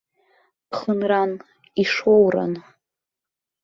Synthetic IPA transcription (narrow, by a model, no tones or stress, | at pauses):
χənran | iʂowra̰n